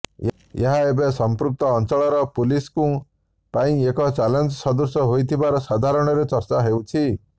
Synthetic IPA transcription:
eɦaebesɔmpɾuk̚t̪ɔːnt͡ʃɔɭɔɾɔpuliskũ | paĩekɔt͡ʃalɔnd͡ʒɔsɔd̪ɔsjɔɦojt̪ʰibaɾɔsad̪ʱaɾɔɽ̃ɔɾet͡ʃɔɾt͡ʃaɦewt͡ʃʰi

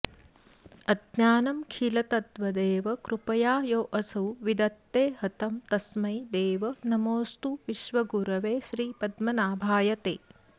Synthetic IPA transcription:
ɐd̪naːnɐmkʰilɐt̪ɐt̪ʋɐd̪eːʋɐkɾupɐjaːjoːʔɐsɐwʋid̪ɐt̪ːeːhɐt̪ɐmt̪ɐsmɐjd̪eːʋɐnɐmoːst̪uʋiʃʋɐɡuɾɐʋeːʃɾiːpɐd̪mɐnaːbʱaːjɐt̪ḛː

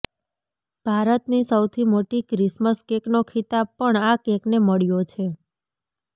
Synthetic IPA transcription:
b̥ʱaɾət̪nisəwt̪ʰimoʈikɾisməskeknokʰit̪abpəɳakekneməɭijot͡ʃʰe

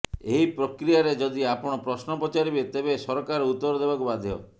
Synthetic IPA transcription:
eɦipɾɔkɾijaɾed͡ʒɔd̪iapɔɽ̃ɔpɾɔsnɔpɔt͡ʃaɾibet̪ebesɔɾkaɾut̪ːɔɾɔd̪ebakubad̪ʱjɔ̰

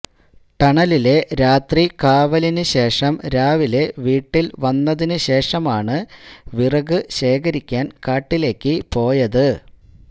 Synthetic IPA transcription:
ʈɐɳɐlile̞ɾaːt̪rikaːʋɐlinɨɕe̞ːʂɐmɾaːʋile̞ʋiːʈːilʋɐnːɐðinɨɕe̞ːʂɐmaːɳɨʋirɐɣɨɕe̞ːkɐɾikʲːaːnkaːʈːile̞ːkːɨpo̞ːjɐðɨ

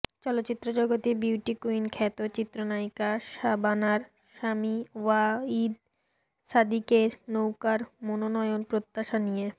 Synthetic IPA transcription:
t͡ɕɔlot̪ːɕit̪ːɾod͡ʑɔɡot̪ibiwʈikuinkʰɛt̪ot͡ɕit̪ːɾonajkaʃabanaɾ | ʃamiwaid̪ | sad̪ikeɾnowkaɾmononɔjonpɾot̪ːaʃanije

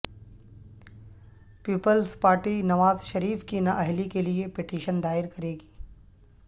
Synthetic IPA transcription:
piːpəlspaːɾʈinɐʋaːzʃɐɾiːfkinɐʔɐɦlikeliepɪʈiːʃənd̪aːɪɾkɐɾeːɡi̥ː

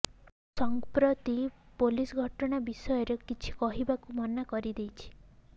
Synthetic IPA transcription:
sɔŋpɾɔt̪i | polisɡʱɔʈɔɽ̃abisɔjɔɾekit͡ʃʰi̥kɔɦibakumɔnakɔɾid̪ejt͡ʃʰi̥

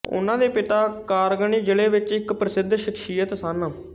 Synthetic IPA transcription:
ʊ̰nãːd̪eːpɪt̪aːkaːɾɡəɳiːd͡ʒəleːʋɪt͡ʃɪkpɾəsɪd̪ʱʃɪkʃijət̪saːnə

